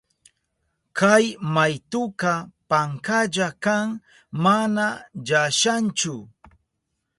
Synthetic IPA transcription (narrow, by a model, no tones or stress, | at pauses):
kajmajt̪ʊkapaŋkaʎakaŋ | manaʎaʃant͡ʃʊ